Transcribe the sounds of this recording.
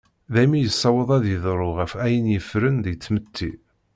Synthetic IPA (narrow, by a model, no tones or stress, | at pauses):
ðæmijəsˤːɑwəðˤæðəðɾˤʊʁəfæjənjəfɾənðət͡sːmət̪ʰːḭ